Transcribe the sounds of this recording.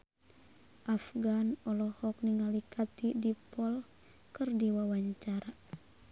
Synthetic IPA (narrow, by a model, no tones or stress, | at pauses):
ʔafɡanɔlɔhɔk̚niŋalikʰat̪idipɔl | kɨrdiwawaɲt͡ʃaɾa